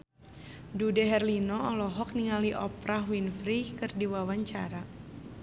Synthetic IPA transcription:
dudɛɦɛrlinɔɔlɔɦɔk̚niŋaliʔɔpɾahwinfɾikɨrdiwawaɲt͡ʃa̰ɾa

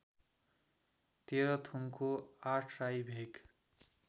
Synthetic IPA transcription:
t̪eɾʌt̪ʰuŋkʰoaʈʰrajbʱeɡ

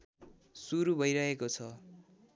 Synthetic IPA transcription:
suɾubʱʌjɾʌɦekot͡sʰʌ

